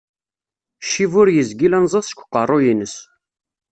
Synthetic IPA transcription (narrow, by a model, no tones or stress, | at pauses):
ʃivʊɾjəzɡilænzˤəsˤʃkʷːqərˤːojinəs